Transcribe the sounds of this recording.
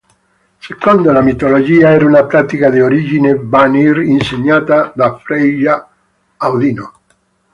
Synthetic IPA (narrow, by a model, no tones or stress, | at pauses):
sekond̪olamit̪olod͡ʒiaɛɾaunapɾat̪ikaðeoɾiʒinebaniɾinseɲat̪aðafɾeʒaː | wðino